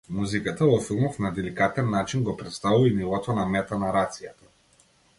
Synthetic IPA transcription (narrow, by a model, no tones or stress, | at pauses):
muzikat̪avɔfilˠmɔfnad̪ɛlikat̪ɛnːat͡ʃinɡɔpɾɛt̪st̪avuvainilˠɔt̪ɔnamɛt̪anaɾat̪sijat̪ḁ